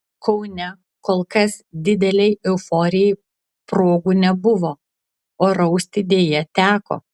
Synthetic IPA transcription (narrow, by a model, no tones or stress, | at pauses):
kʰɐʊnʲɛ | koːlˠkɐsd̪ʲɪd̪ʲɛlʲɛɪɛʊfoːɾʲɪjɛɪ | pɾoːɡuːnʲɛbʊʋoː | oːɾɐʊsʲt̪ʲɪd̪ʲeːjɛt̪ʲæːko̰ː